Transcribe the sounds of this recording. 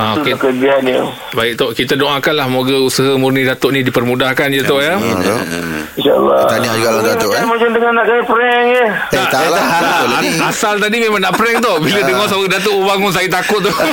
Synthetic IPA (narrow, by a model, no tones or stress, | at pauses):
aokekəd͡ʒianjə | baɪk̚t̪oʔkit̪adoʔãkanlahmoɡəusəɦəmurnidat̪ʊʔnidipərmũdahkand͡ʒət̪oʔjat̪oinʃaə̰lːɔ̰t̪adiaukaladat̪omat͡ʃənd̪əŋanaʔkajapəɾɛŋjə | naʔt̪alaaoasalt̪adimemaŋnaʔpɾɛŋt̪̬oʔbilədəŋɔsəmoɡədat̪oʔubaŋuns̬ajit̪akʊt̪̚t̪u